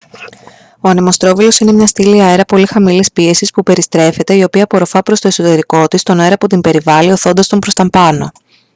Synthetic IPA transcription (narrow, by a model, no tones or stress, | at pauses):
o̞ɐne̞most̪ɾovilo̞sine̞mɲɐst̪iliɐeɾɐpo̞lixɐmilispie̞sispupe̞ɾist̪ɾe̞fe̞t̪e̞io̞piɐpo̞ɾo̞fɐpɾo̞st̪o̞e̞so̞t̪e̞ɾiko̞t̪ist̪o̞ne̞ɾɐput̪imbe̞ɾivɐlioθo̞nd̪ɐst̪o̞mpɾost̪ɐmpɐno̞̰